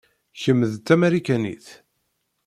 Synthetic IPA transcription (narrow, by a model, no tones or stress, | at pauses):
çəmːðt̪ːæmæɾikænḭθ